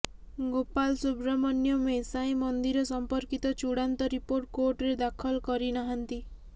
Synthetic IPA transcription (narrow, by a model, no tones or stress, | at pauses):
ɡopalsubɾamɔnjɔmesaj̃mɔnd̪iɾɔsɔmpɔɾkit̪ɔt͡ʃuɽant̪ɔɾipoɾʈ̚koɾʈɔɾed̪akʰɔlkɔɾinaɦant̪i